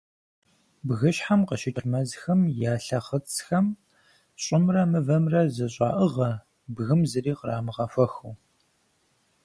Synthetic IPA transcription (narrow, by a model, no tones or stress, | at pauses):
bɣɨʃħamqəʃɪtʼʰmɐzxɐmjaːɬɐχət͡sʰxɐm | ɕʼɪmrɐmɨvɐmrɐzɨɕʼa̰ːʔəʁɐ | bɣɨmzɨriːqəraːmɨʁɐfɐxuː